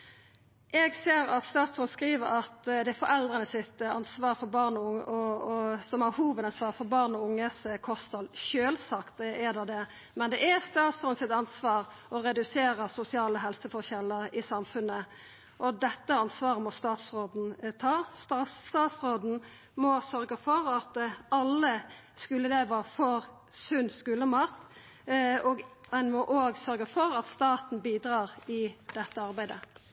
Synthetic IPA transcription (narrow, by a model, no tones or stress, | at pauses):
ʔɛɡseːɾɑt̪st̪ɑːt̪sʁoːd̪̩skɾiːʋəɾɑt̪d̪ɛɛfɔɾɛld̪ɾənəsɪt̪ɑ̰nsʋɑːɾfɔɾbɑʁnɔʊŋʔɔsɔmɑhuːʋəd̪ɑnsʋɑːʁfɔɾbɑʁnɔʊŋːəskʰɔst̪ʰɑlʃøːlsɑkt̪ɛd̪ɑd̪ɛ | mɛnd̪ɛʔɛst̪ɑːt̪sʁoːd̪n̩sɪt̪ɑnsʋɑːɾ | ʔɔɾɛd̪ʉseːɾəsʊsɪɑːləɦɛlsəfɔçɛlːəɾɪsɑmfʉnə | ʔɔd̪ɛt̪ːəɑnsʋɑːʁəmɔst̪ɑːt̪sʁoːd̪n̩t̪ʰɑːst̪ɑst̪ɑːt̪sʁoːd̪n̩ | mɔsœɾɡəfɔɾɑt̪ɑlːə | skʉlːəleːʋəfɔɾ | sʉnskʉlːəmɑt̪ː | ɔɡɛnmɔʔoːɡsœɾɡəfɔɾɑt̪st̪ɑːt̪n̩biːd̪ɾɑːʁɪd̪ɛt̪ːəɑɾbæɪd̪ə